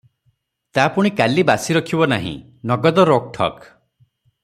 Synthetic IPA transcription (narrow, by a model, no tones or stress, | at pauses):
t̪apuɽ̃ikalibasiɾɔkʰibɔna̰ɦḭ̃ | nɔɡɔd̪ɔɾok̚ʈʰɔ̰k